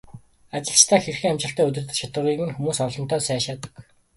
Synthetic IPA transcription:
at͡ɕɪ̆ɬt͡ɕt̪ʰæːxerxɘ̆ŋamʲt͡ɕɪ̆ɬt̪æːɵt̪̬ɘ̆rt̪ɘ̆ɮt͡ɕʰat̪ə̆ʁiːɣɘ̆nxumuːsɔɮɞ̆n̥t̪œːsæːʃaːt̪ə̥̆k

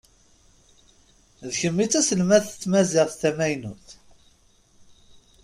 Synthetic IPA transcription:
ðçəmːit͡sːæsəlmæθə̥t͡sːmæzɪʁθθæmæjnuθ

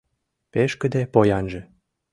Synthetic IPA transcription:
peʃkə̆d̪epojɑnʒĕ

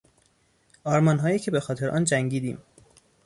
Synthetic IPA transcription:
ɒːɾmɒnɦɒːjiːcʰe̞be̞xɒːt̪ʰe̞ɾʔɒ̰ːnd͡ʒæŋɟiːd̪ḭːm

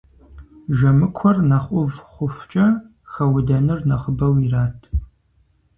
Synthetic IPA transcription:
ʒɐmɨkʷʰɔrnɐχʷʼʊvχʷʊft͡ʃʼɐ | xɐwʊdɐnɨrnɐχəbɐwiraːtʰ

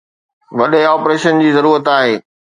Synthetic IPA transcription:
ʋɐɗeɔːpɾeːʃənd͡ʑiːzɐɾuːɾət̪aːɦeː

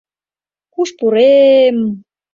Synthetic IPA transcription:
kuʃpuɾem

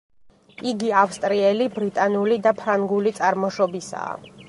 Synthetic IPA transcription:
iɡiafst̪ʼɾiɛlibɾit̪ʼanulid̪apʰɾaŋɡulit̪sʼaɾmɔʃɔbisa̰ː

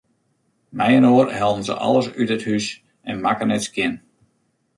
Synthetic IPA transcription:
mɛjənoːərhɛlˠdən̩zə̰ʔɑ̰lˠəsytəthys | ɛnmakənɛtskjɪn

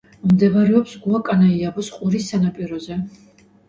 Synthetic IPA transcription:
md̪ɛvaɾɛɔpsɡuakʼanaiabɔsqʼuɾisːanapʼiɾɔzɛ

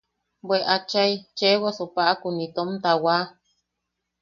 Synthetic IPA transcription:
bʷeʔat͡ʃajt͡ʃewasopaʔakunit̪omt̪awa

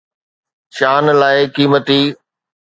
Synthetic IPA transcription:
ʃaːnlaːɪkiːmət̪iː

